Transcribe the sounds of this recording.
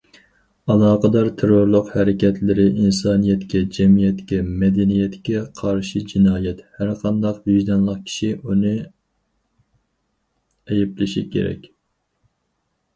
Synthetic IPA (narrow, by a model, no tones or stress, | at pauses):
ɑlˠɑːqəd̪ɑɾt̪ʰeɾoɾlˠʊqhæɾɪkʲɛt̪ʰlɪɾɪʔinsɑːnijɛt̪kʲɛd͡ʒɛmijɛt̪kʲɛmɛd̪ɛnijɛt̪kʲɛqʰɑɾʃid͡ʒinɑːjɛt̪hæɾqʰɑnd̪ɑqbiʒd̪ɛnlˠəqkʲʰi̥ʃiʔunɨ | ɛjɛplɨʃikʲʰḛɾɛ̰kʲ